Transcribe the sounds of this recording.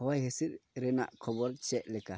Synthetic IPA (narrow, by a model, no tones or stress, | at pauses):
ɔwajɦesiɾɾɛna̰ʔkʰɔbɔɾt͡ʃɛʔlɛka